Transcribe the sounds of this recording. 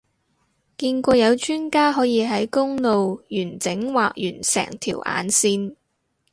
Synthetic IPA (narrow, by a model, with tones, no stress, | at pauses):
kiː˧nkʷɔː˧jɐ˨˧wt͡ʃyː˥nkaː˥ɦɔː˨˥jiː˨˧ɦɐ˨˥jkʊ˥ŋlo˨wjyː˨˩nt͡sɪ˨˥ŋwaː˨k̚jyː˨˩nsɛ̰ː˨˩ŋt̪ʰḭː˨˩wʔa̰ː˨˥nsiː˥n